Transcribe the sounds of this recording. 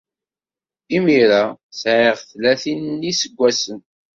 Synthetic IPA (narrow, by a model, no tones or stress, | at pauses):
imiɾasʕɪʁθlæθinnːisəɡʷːæsən